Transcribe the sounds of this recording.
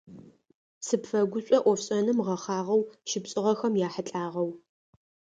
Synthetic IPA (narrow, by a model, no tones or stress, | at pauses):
sɨpfɐɡʷʊɕʷʼɔʔʷɔfɕʼɐnɨmʁɐχaːʁɐwʃɪpɕʼɪʁɐxɐmjaːħəɬʼaːʁɐw